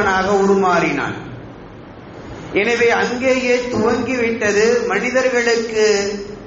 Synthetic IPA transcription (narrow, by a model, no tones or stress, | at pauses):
naːɣɐʊɽʊmaːɾɪna̰ːn | ɛnɐʋeːɐŋɡeːjeːt̪ʊʋɐŋɡiʋɪʈːɐðɯmɐnɪðɐɾɣɐɭɯkːɯ